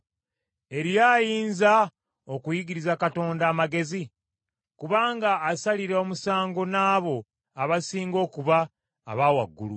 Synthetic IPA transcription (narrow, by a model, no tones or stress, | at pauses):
e̞ɾjaːjiːnza | okujiɡiɾizakato̞ːndaːmaɡe̞zi | kuβaːŋɡaːsaliɾeomusaːŋɡo̞naːβo̞ | aβasiːŋɡo̞ːkuβaː | βawa̰ɡːṵlṵ